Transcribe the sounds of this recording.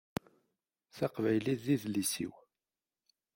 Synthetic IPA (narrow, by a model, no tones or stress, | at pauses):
θɑqvæjliðːiðlisḭw